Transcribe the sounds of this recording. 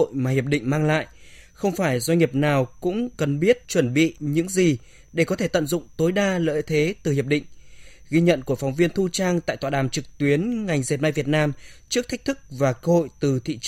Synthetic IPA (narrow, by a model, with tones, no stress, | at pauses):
o̰˧˨jmaː˨˩hi˨˩əp̚ɗḭ̈˧˨ŋ̟maː˧ŋla̰ː˧˨jxə˧wŋ͡mfaː˧˩jzwa˧jŋ̟ŋi˨˩əp̚naː˨˩wkʊ̰˧˥ŋ͡mkə˨˩nɓi˦˥ət̚t͡ɕwə˧˩nɓḭ˧˨ɲɨ̰˧˥ŋzi˨˩ | ɗe˧˩kɔ˨˦t̪ʰe˧˩t̪ə̰˧˨nzʊ̰˧˨ŋ͡mt̪o˨˦jɗaː˧lə̰ː˧˥˨jt̪ʰe˨˦t̪ɨ˨˩hi˨˩əp̚ɗḭ̈˧˨ŋ̟ɣi˧ɲə̰˧˨nku˧˩əfɔ˨˦wŋ͡mvi˧ənt̪ʰu˧t͡ɕaː˧ŋt̪a̰ː˧˨jt̪waː˧˨ɗaː˧˩mt͡ɕɨ˨˩k̚t̪wi˨˦ənŋa˨˩jŋ̟ze˨˩t̚ma˧jvət̚naː˧mt͡ɕɨ˦˥ək̚t̪a˦˥k̟̚t̪ʰɨ˦˥k̚vaː˨˩kəː˧ho̰˧˨jt̪ɨ˨˩t̪ʰḭ˧˨t͡ɕ